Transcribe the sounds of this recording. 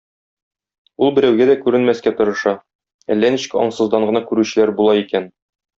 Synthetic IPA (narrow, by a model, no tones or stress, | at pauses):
ulˠbɘ̆ɾæwɡæd̪ækʉɾɘ̆nmæskæt̪ŏɾɤ̆ʃɑ | æ̰lːæniɕɘ̥kɒ̰ɴsɤ̆zd̪ɑɴɢɤ̆nɑkʉɾʉɕɘ̆læɾbulˠɑikæn